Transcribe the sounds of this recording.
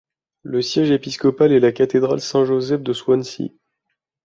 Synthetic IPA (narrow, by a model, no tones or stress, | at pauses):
ləsjɛʒepiskɔpalɛlakat̪ed̪ʁalsɛ̃ʒozɛfd̪əswansḭ